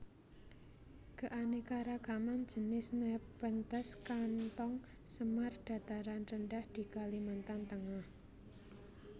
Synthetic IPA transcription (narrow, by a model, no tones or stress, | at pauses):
ɡ̥a̤ʔanekaɾaɡ̥aman̥d͡ʒ̥ə̤nɪsnəpbənt̪əskant̪ɔŋ | səmarɖ̥a̤t̪aɾanrənɖahd̪̥i̤kalimant̪ant̪əŋah